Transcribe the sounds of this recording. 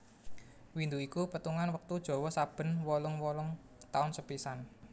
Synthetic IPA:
wind̪uikupət̪uŋanwək̚t̪ud̥ʒ̥ɔ̤wɔsab̥ə̤nwɔlʊŋwɔlʊŋ | t̪aʊnsəpisan

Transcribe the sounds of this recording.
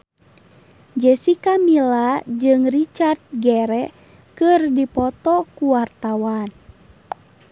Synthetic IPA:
d͡ʒɛsikamilad͡ʒɨŋrit͡ʃart̪̚ɡɛɾɛ | kɨrdipɔt̪ɔkuwart̪awan

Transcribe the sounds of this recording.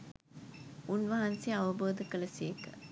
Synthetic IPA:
unʋɐɦɐnsiɐʋɐboːd̪ɐkːɐɭɐseːkɐ

